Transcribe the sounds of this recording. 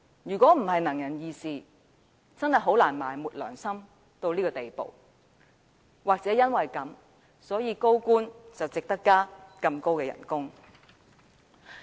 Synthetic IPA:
jyː˨˩kʷɔː˨˥m̩˨˩ɦɐ˨jnɐ˨˩ŋjɐ˨˩njiː˧siː˨ | t͡sɐ˥nhɐ˨jɦo˨˥wlaː˨˩nma̰ː˨˩jmuː˨t̚lœ̰ː˨˩ŋsɐ˥m | t̪o˧wliː˥kɔː˧t̪e˨jpo̰˨w | waː˨k̚t͡sɛː˨˥jɐ˥nwɐ˨jkɐ˨˥m | sɔː˨˥jiː˨˧ko˥wkuː˥nt͡sɐ˨wt͡sɪ˨k̚t̪ɐ˥kːaː˥kɐ˧mko˥wkɛː˧jɐ̰˨˩nkʊ˥ŋ

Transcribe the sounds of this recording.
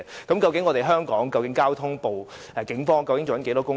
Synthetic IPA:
kɐ˨˥mkɐ˧wkɪ˨˥ŋːɔː˨˧te˨jɦœː˥ŋkɔː˨˥ŋkɐ˧wkɪ˨˥ŋkaː˥wt̪ʰʊ˥ŋpo˨w | ʔɛː˨˩kɪ˨˥ŋfɔː˥ŋkɐ˧wkɪ˧ŋt͡ɕo˨wɐ˨˥nke˨˥jt̪ɔː˥kʊ˥ŋ

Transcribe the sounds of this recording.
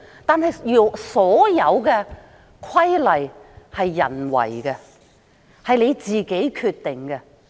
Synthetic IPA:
t̪aː˨˧nɦɐ˨jjy˨sɔː˨˥jɐ˨˧wkɛ˧ | kʰɐ˥jlɐ˨jhɐ˨jːɐ̰˨˩nwɐ̰˨˩jkɛ˧ | hɐ˨jle˨˧jt͡siː˨ke˨˥jkʰyː˧t̪ːɪ˨ŋkɛ˧

